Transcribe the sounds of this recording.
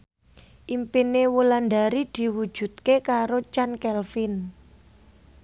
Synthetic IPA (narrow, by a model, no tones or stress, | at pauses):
ʔimpinewuland̪aɾid̪̥i̤wud̥ʒ̥ṳt̪̚kekaɾot͡ʃankɛlfɪn